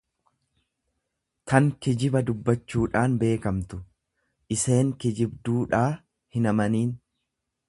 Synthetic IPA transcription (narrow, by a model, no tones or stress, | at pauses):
t̪ɐŋkɪd͡ʒɪbɐd̪ʊbːɐt͡ʃːuːᶑaːnbe̞ːkɐmt̪ʊ̥ | ʔɪse̞ːŋkɪd͡ʒɪbd̪uːᶑaː | hɪnɐmɐniːn